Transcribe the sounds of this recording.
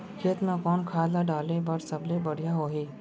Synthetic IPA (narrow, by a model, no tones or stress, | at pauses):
kʰeːt̪nãkɔːnkʰaːlaɖaːlẽbɐɾsɐblebɐɽ̤ijaɦoːɦiː